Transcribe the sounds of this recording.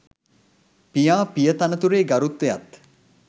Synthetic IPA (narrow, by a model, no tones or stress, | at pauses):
pijaːpijət̪anət̪uɾeːɡaɾut̪ʋeja̰t̪